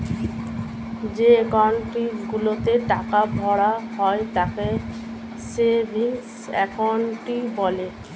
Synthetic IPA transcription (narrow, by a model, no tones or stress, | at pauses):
d͡ʑeekawɳʈiɡulot̪eʈakabʱɔɽaɦɔet̪ake | sebʱiŋs | ɛ̰kawɳʈibɔle